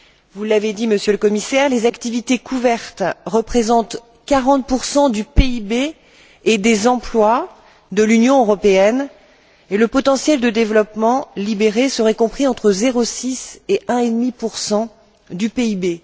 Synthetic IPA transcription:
vulːaved̪iməsjøləkɔmisɛʁlezakt̪ivit̪ekʰuvɛʁt̪ʁəpχezɑ̃t̪ | kaʁɑ̃t̪̚puʁsɑ̃d̪ypeibeː | d̪ezɑ̃plwa | d̪əlynjɔ̃øʁɔpeɛn | eləpɔt̪ɑ̃sjɛld̪əd̪evlɔpmɑ̃libeʁesəʁɛkɔ̃pχiɑ̃t̪χəzeʁosiseʔɛ̃ed̪mipuʁsɑ̃ | d̪ypeibe

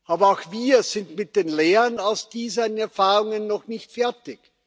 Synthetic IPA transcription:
ʔaːbɐaʊxviːɐz̥ɪntmɪt̚d̥eːnleːʁənaʊsd̥iːzənɛɐfaːʁʊŋənːɔxnɪçtfɛɐtɪk

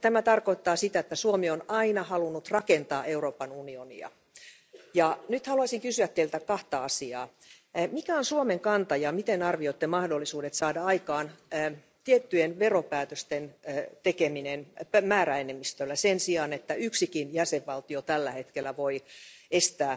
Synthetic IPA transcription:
t̪æmæt̪ɑrkoit̪ːɑːsit̪æet̪ːæsuomionɑinɑhɑlunːut̪rɑkent̪ɑːʔeuroːpɑnunionḭɑ̰ | jɑnyt̪hɑluɑsiŋkysyæt̪t̪ːeilt̪ækɑht̪ɑɑsiɑ̰ː | mikæonsuomeŋkɑnt̪ɑjɑmit̪enɑrʋiot̪ːemɑhdolːisuːdet̪sɑːdɑɑikɑːnː | t̪iet̪ːyenʋeropæːt̪øst̪ent̪ekeminenmæːɾæenemist̪ølːæsensiɑnet̪ːæyksikinjæseʋːɑlt̪iot̪ælːæhet̪kelːˑæʋoiest̪æː

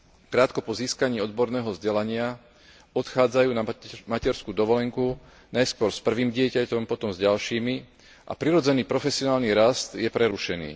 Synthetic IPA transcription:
kɾaːt̪kɔpɔziːskaɲiːɔd̪bɔɾnɛːɦɔvzɟɛlaɲɪa | ɔt̪xaːd͡zajuːnamacɛɾskuːd̪ɔʋɔlɛŋku | najskʊɔɾspr̩ʋiːmɟɪɛcacɔmpɔt̪ɔmzɟalʃiːmi | ʔa̰pɾiɾɔd͡zɛniːpɾɔfɛsɪɔnaːlniɾast̪jɛpɾɛɾuʃɛnḭː

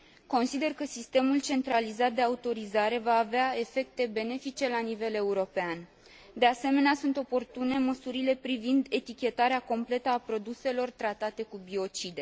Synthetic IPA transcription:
ko̞nsid̪e̞rkəsist̪e̞mult͡ʃe̞nt̪ɾalizat̪̚d̪e̞aut̪o̞ɾizaɾe̞vaːveae̞fe̞k̚t̪e̞be̞ne̞fit͡ʃe̞lanive̞le̞uɾo̞pean | d̪e̞ase̞me̞neasunt̪o̞po̞rt̪une̞məsuɾile̞pɾivind̪e̞t̪ikʲe̞t̪aɾeako̞mple̞t̪əapɾo̞d̪use̞lo̞rt̪ɾat̪at̪e̞kubio̞t͡ʃid̪e̞

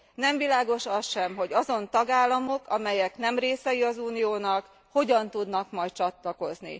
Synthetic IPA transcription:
nɛɱvilaːɡo̞ʃɒsʃɛmɦo̞ɟɒzo̞nt̪ɒɡaːlːɒmo̞kɒmɛjɛkn̪ɛmreːsɛjiɒzuːnijoːnɒk | ho̞ɟɒnt̪ud̪nɒkmɒjt̚t͡ʃɒt̪lɒko̞znḭ

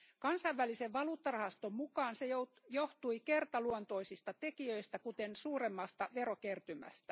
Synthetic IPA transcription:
kɑnsɑiʋʋæliseʋʋɑluːt̪ːɑrɑhɑst̪ommukɑːnsejo | joht̪uikert̪ɑluont̪o̞isist̪ɑt̪ekiøist̪ækut̪ensuːɾemːɑst̪ɑʋeɾokert̪ymæ̰st̪æ

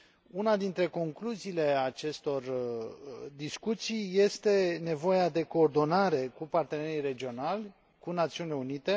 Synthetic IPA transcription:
unad̪int̪ɾe̞ko̞ŋkluziːle̞at͡ʃe̞st̪o̞r | d̪iskut̪sijːe̞st̪e̞ne̞vo̞jad̪e̞ko̞ːrd̪o̞naɾe̞kupart̪e̞ne̞ɾijre̞d͡ʒio̞nalʲ | kunat̪siunileunit̪e̞

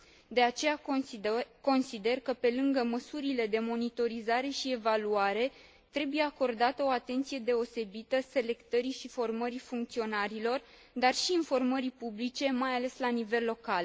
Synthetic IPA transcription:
d̪e̞at͡ʃe̞ja | ko̞nsid̪e̞rkəpe̞lɨŋɡəməsuɾile̞d̪e̞mo̞nit̪o̞ɾizaɾe̞ʃie̞valuaɾe̞ | t̪ɾe̞buje̞ako̞rd̪at̪əo̞at̪e̞nt̪sije̞d̪e̞o̞se̞bit̪əse̞le̞kt̪əɾiʃifo̞rməɾifuŋkt̪sio̞naɾilo̞r | d̪arʃiːnfo̞rməɾipublit͡ʃe̞majale̞slanive̞lːo̞kal

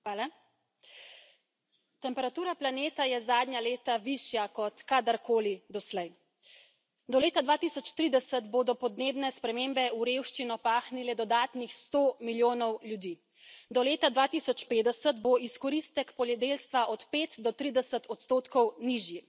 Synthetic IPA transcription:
ʋaːla | t̪ɛmpɛɾat̪uːɾaplaneːt̪ajɛzaːd̪ɲjaleːt̪aʋiʃjakɔt̪kad̪aɾkoːlid̪ɔslɛj | d̪ɔleːt̪ad̪ʋaːt̪isɔt͡ʃt̪ɾiːd̪ɛsət̪boːd̪ɔpɔd̪neːbnɛspɾɛmeːmbɛuɾewʃt͡ʃinɔpaːxnilɛd̪ɔd̪aːt̪nixst̪omiljoːnɔwljud̪iː | d̪ɔleːt̪ad̪ʋaːt̪isɔt͡ʃpeːd̪ɛsət̪boiskɔɾist̪ɛkpɔljɛd̪eːlst̪ʋaʔɔt̪peːt̪d̪ɔt̪ɾiːd̪ɛsət̪ɔt̪st̪oːt̪kɔwniʒji

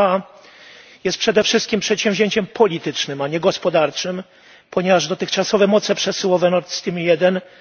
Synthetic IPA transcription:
a | jɛst̪pʂɛd̪ɛfʂɘst̪̚kʲimpʂɛt̪ɕɛ̃wvʲʑeɲt͡ɕɛmpʰɔlʲit̪ɘt͡ʂnɘmaɲɛɡɔspɔd̪aɾt͡ʂɘm | pɔɲɛvaʐd̪ɔt̪ɘxt͡ʂasɔvɛmɔt̪sɛpʂɛsɘwɔvɛnɔɾt̪st̪ʲimʲjɛd̪ɛn

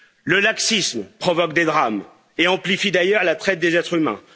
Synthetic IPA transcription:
ləlaksismpχɔvɔkd̪ed̪ʁam | eɑ̃plifid̪ajœʁlat̪χɛt̪̚d̪ezɛt̪χymɛ̰̃

